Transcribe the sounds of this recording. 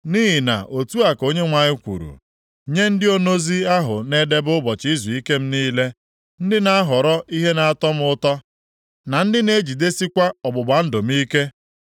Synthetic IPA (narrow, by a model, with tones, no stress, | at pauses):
niː˦ɦi˨na̰˨ʔo˨tu˦a˨ko˦ɲe˦ŋʷa˨ɲɪ˦kʷṵ˨ɾṵ˨ | ɲe˦n̩˦dɪ˦o˦no˦zi˦a˦ɦʊ̰˨ne˦de˦bʊ˦bɔ˨t͡ʃi˦zu˨i˦ke˦m̩˦niː˦le˦ | n̩˦dɪ˦na˦a˦ɦɔ˨ɾɔ˦ʔi˦ɦe˦na˨a˦tɔ˦m̩˦ʊ˦tɔ˦ | na˨n̩˦dɪ˦ne˦d͡ʒi˨de˦si˦kʷa˦ɔ˨bʊ˨ɡ͡ba˨n̩˦do˨m̩˦i˦ke˦